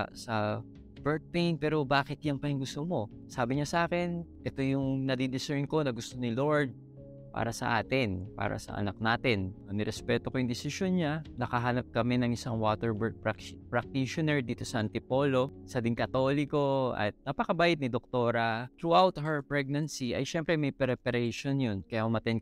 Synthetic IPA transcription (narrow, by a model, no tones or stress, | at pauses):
sɐ | bɛɹt̪̚pejnpɛːɾo̞baːkɪt̪jɐŋpɐjʊŋɡʊst̪omo̞ | saːbɪɲasaːkɛnʔɛt̪o̞jʊŋnɐd̪id̪ɪsɛɹnko̞nɐɡʊst̪o̞nɪlo̞ɹd̪̚ | pa̰ːɾɐsɐ̰ʔa̰ːt̪ɪnpa̰ːɾɐ̰sɐ̰ʔɐ̰nɐk̚naːt̪ɪnɐnɪɾɛspɛːt̪okojʊŋd̪ɪsɪʃjonɲanɐkɐɦaːnɐp̚kɐmɛnɐŋʔɪsaŋwaːt̪ɛɹbɛɹɡ̚pkpɾɐk̚t̪iʃonɛɹd̪iːt̪o̞sɐʔɐnt̪ɪpo̞ːlo̞sɐd̪ɪŋkɐt̪o̞ːlɪko̞ɐ̰t̪̚nɐpɐkɐbaːʔɪt̪nɪd̪ok̚t̪o̞ːɾɐt̪ɾuawt̪ɦɛɹpɹɛɡ̚nɐnsiʔɐ̰jʃɛmpɾɛmɐjpɛɾɛpɛɾɛjʃonjonkɐjaʔʊmɐt̪ɛn